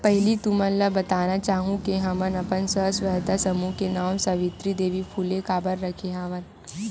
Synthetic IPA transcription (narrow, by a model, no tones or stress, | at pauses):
pɛɦlit̪ʊmɐnlabɐt̪aːnat͡ʃaːɦũkeɦɐmənɐpənsəɦsʋɐɦt̪asɐmukenaːwsɐʋɪt̪ɾid̪eːʋipʰuːlekaːbəɾːɐkʰeɦaːʋən